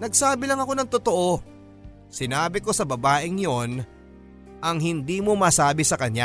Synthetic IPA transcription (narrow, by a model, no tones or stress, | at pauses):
nɐɡsaːbɪlɐŋɐko̞nɐŋt̪ot̪o̞ʔo̞ | sɪnaːbɪko̞sɐbɐbaːʔɪŋjo̞n | ʔɐŋɦɪnd̪iːmo̞maːsaːbɪsɐkɐɲa